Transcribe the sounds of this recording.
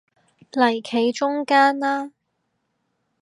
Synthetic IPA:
lɐ˨˩jkʰe˨˧jt͡ʃʊ˥ŋkaː˥nlaː˥

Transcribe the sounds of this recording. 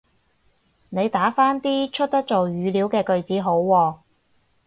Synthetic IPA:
ne˨˧jt̪aː˨˥faː˥nt̪iː˥t͡ʃʰɵ˥t̚t̪ɐ˥k̚t͡so˨wjyː˨˧li˨˥wkɛː˧kɵ˨˧ɥt͡siː˨˥ɦo˨˥wːɔː˧

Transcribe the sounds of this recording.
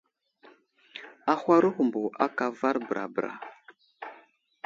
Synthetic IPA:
a˦xʷa˦ɾu˦hu˨mbu˨ʔa˦ka˨va˦ɾbə˨ɾʔa̰˨bə˨ɾa̰˨

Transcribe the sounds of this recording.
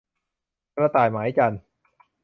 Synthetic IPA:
kɾa˧t̪aː˨˩jmaː˨˦jt͡ɕaː˧n

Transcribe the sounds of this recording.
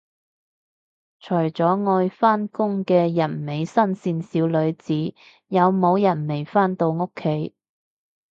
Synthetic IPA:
t͡ʃʰɵ˨˩jt͡sɔː˨˥ŋɔː˧jfaː˥nkʊ˥ŋkɛː˧jɐ˨˩nme˨˧jsɐ˥nsiː˧nsiː˨˧wlɵ˨˧ɥt͡siː˨˥ | jɐ˨˧wmo˨˧wjɐ˨˩nme˨˩jfaː˥nt̪o˧wŋʊ˥kʰːe˨˥j

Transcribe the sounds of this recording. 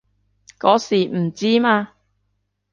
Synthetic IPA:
kɔː˨˥siː˨˩m̩˨˩t͡siː˥maː˧

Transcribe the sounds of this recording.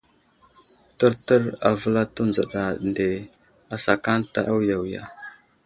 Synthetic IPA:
tə˦ɾtə˦ɾa̰˨və˦la˦tə˦nd͡zə˨ɗa˨nde˨ | a˨sa˨ka˦nta̰˦ʔa˦wja˨wja̰˨

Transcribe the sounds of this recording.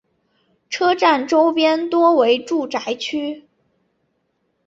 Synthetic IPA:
ʈ͡ʂʰɤ˥ʈ͡ʂa˥˩nʈ͡ʂo˥ʊpjɛ˥nt̪wɔ˥we˧˥ɪʈ͡ʂu˥˩ʈ͡ʂa˧˥ɪt͡ɕʰy˥

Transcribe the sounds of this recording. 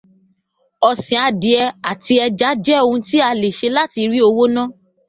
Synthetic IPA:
ɔ˨sĩ˨a˧di˨˦ɛ˧a˨ti˧ɛ˧d͡ʒa˨˦d͡ʒɛ˦o˧ũ˧ti˦a˧le˨ʃe˧la˦ti˧ɾi˦o˧wo˦nã˦˨

